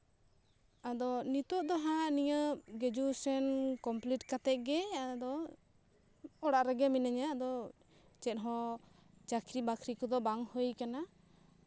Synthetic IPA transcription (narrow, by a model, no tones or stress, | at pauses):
ad̪ɔnit̪ɔʔd̪ɔɦaniɲəɡɛd͡ʒusɛnkɔmpliʈkat̪ɛʔ̪̚ˀɡɛad̪ɔ | ɔɽaʔɾɛɡɛminaɲad̪ɔ | t͡ʃɛt̪̚ɦɔ̃ | t͡ʃakʰɾibakʰɾikɔd̪ɔbaŋhəjkana